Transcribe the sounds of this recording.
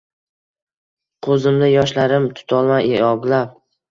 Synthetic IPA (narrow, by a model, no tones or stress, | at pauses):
qʰɵzɪmd̪ajɒʃlaɾɪmt̪ʰʊ̥t̪ʰɒlˠmajeɒɡlap̚